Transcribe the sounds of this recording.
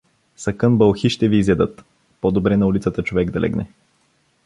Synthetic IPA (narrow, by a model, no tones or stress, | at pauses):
sɐkɤnbəlˠxiʃt̪ɛviːzɛd̪ɤt̪ | pɔd̪obɾɛnɐulit̪sət̪ət͡ʃovɛɡd̪ɐlʔɛ̰ɡnɛ̰